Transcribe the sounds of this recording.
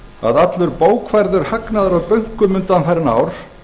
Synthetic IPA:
a̰ðat̪lʏɾpoːwkʰvajɾðʏɾ̥haknaðʏɾawpœɥŋ̥kʏmʏnt̪anθaɾɪna̰ːwɾ̥

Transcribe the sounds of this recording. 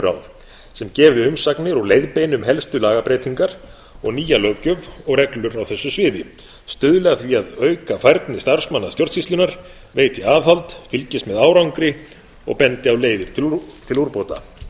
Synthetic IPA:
ɾa̰wv | sɛmcɛːvɪʏmsaknɪɾɔleːjðpejnʏmɦɛlst̪ʏlaːɣapɾeːjt̪iŋkaɾ̥ | ɔɣniːjalœːcʏvɔɣɾɛklʏɾawθɛsːʏsvɪːðɪ | st̪ʏðʏlɛɣaθviaðœːɥkafajɾt̪nɪst̪aɾ̥smanːast̪jɔwɾt̪sfist̪lʏnaɾ̥ | veːjt̪ɪaːvθalt̪fɪlcɪst̪mɛðaːwɾawŋkɾɪ | ɔ̰ɣpɛnt̪ɪawleːjðɪɾ̥t̪ʰɪlt̪ʰɪluɾpowt̪a̰

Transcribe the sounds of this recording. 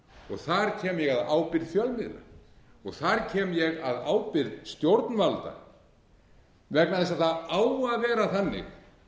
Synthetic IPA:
ɔɣθaɾ̥cʰɛːmjɛɣaðaːwpɪɾðfjœlmɪðla̰ | ɔɣθaɾcʰɛːmjɛɣaðaːwpɪɾðst̪jowɾt̪nvalt̪a̰ | vɛknaðθɛs̬aðθaðaːwaðvɛːɾaθanːɪ̰x

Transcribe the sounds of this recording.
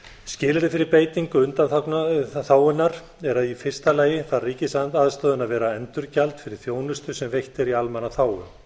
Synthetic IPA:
scɪːlɪɾðɪfɪɾɪɾpeːjt̪iŋkʏʏnt̪anθaknθaːwʏnːaɾ̥ | ɛɾaðifɪr̥st̪alaːjɪθaðriːcɪsant̪aːðst̪œːðʏnaðvɛːɾaɛnt̪ʏɾcalt̪fɪɾɪɾ̥θjoːwnʏst̪ʏsɛmvejht̪ɪɾialmɛnaθaːwʏ

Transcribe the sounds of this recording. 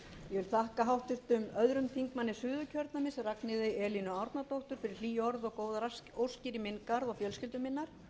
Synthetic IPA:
jɛvɪlθahkaɦawht̪ʏɾ̥t̪ʏmœðɾʏmt̪ʰiŋkmanːɪsʏːðʏcʰœɾt̪namɪnsɛraknɪðɪʔɛːlinʏaɾt̪nat̪owht̪ʏɾ̥fɪɾɪɾ̥liːjɔɾðɔkoːwðaowscɪɾimɪnkaɾðawfjœlscɪlt̪ʏmɪnːaɾ̥

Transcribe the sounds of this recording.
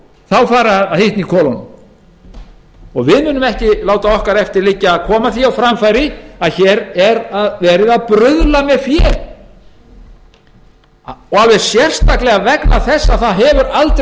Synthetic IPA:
θawfaːɾɪaahɪht̪nikʰɔːlɔnm | ɔɣvɪðmʏːnʏmɛhcɪlaːwt̪aɔhkaɾɛft̪ɪɾliːcɪaðkʰɔːmaθiawfɾamfajɾɪaðçɛɾɛɾaðvɛːɾɪðaðpɾʏðlamɛfjɛɾ | ɔalvɛ̥sjɛr̥st̪ahklɛɣavɛknaθɛsːaθaðɦɛvʏɾalt̪ɾ

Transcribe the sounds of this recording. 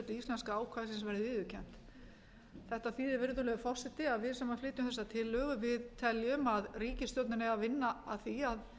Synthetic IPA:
t̪ʏist̪ɛnskaaːwkʰvasɪnsvɛːɾðɪvɪːðʏcʰɛm̥t̪ | θɛht̪aθfiːðɪɾvɪnʏt̪ʏɾlɛɣʏfɔr̥sɛt̪ɪaðvɪðsaːmaflɪːt̪ʏmθɛsːat̪ʰɪlːœːɣʏvɪðt̪ʰɛljʏmaðriːcɪst̪jɔwt̪nɪnɛavɪnːaːðθiað

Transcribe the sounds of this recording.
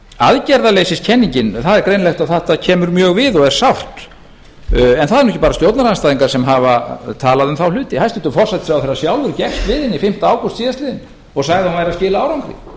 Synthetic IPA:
aðcɛɾðaleːjsɪscʰɛnːiɲcɪnθaðɛɾkɾejnlɛxt̪aθaht̪acʰɛːmʏɾmjœːɣvɪðɔɣɛɾ̥sawht̪ | ɛnθaðɛɾnuhɛcɪpaːɾast̪jowt̪naɾanst̪aːðiŋkaɾ̥sɛmɦavat̪ʰaːlaðʏmθawl̥ʏːt̪ɪhajst̪ʏnt̪ːʏmfɔr̥sɛt̪sɪawθerːasjaːwðʏɾcɛxst̪vɪːðɪnːifɪm̥t̪aːwkʏst̪siːðast̪lɪːðɪn | ɔɣsaɣðawnmajɾascɪːlaaːwɾawŋkɾɪ̰

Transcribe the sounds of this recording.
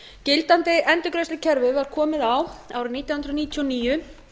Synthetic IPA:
cɪlt̪ant̪ɪʔɛnt̪ʏkɾejslɪcʰɛɾvʏvaɾ̥kʰɔːmɪðawa̰ːwɾɪniːt̪jahʏnɾɔniːt̪ʰjɔniːjʏ

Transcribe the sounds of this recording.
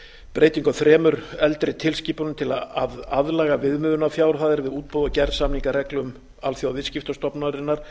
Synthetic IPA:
pɾeːjt̪iŋkaθɾɛːmʏɾɛlt̪ɾɪt̪ʰɪlsciːpʏɾnʏmt̪ʰɪlaaðaðlaːɣavɪðmʏːðʏnafjaːwɾθaːðɪɾvɪðuːt̪̚pɔðacɛɾsamniŋkarɛklʏm | alθjowavɪscɪft̪ast̪ɔpnaɾɪnːaɾ̥

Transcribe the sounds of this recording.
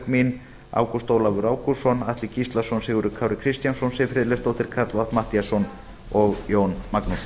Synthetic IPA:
kmin | a̰ːwkust̪owlavʏɾaːwkusɔnaht̪lɪcist̪lasɔnsɪɣʏɾʏkʰaːwɾɪkʰɾɪst̪jansɔnsɪfɾɪːðlɛst̪owht̪ɪɾ̥kʰaɾt̪lvat̪maht̪ijasɔn | ɔɣjoːwnmaknus

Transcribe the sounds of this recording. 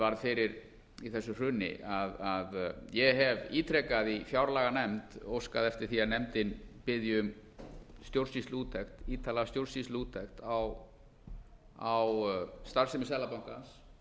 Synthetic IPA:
vaɾðfɪɾɪɾ | iθɛsːʏr̥ʏːnɪ̰ʔaðaðjɛɦɛviːt̪ʰɾɛkaðifjawɾlaːɣanɛmt̪owskaðɛft̪ɪɾ̥θianɛmt̪ɪnpɪðjʏm | st̪jowɾrsist̪luːt̪ʰɛxt̪iːt̪ʰaːlast̪jowɾ̥rsist̪luːt̪ʰɛxt̪aw | awst̪aɾ̥sɪmɪsɛːlapawŋ̥kans

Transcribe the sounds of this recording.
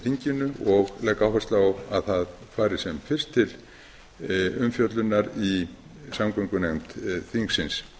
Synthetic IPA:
θiɲcɪnʏɔɣlɛkawɦɛst̪laaa̰ðθaðfaːjɾɪ̥sɛmfɪr̥st̪ʰːɪl | ʏmfjœt̪lʏnːaɾi | samkœŋkʏnemt̪θiŋksɪns

